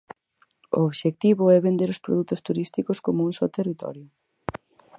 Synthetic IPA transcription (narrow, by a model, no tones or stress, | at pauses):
o̰oβʃek̚t̪iβʊɛβend̪eɾospɾo̰ðut̪ʊst̪uɾist̪ikoskomuuŋsot̪erit̪ɔ̰ɾjʊ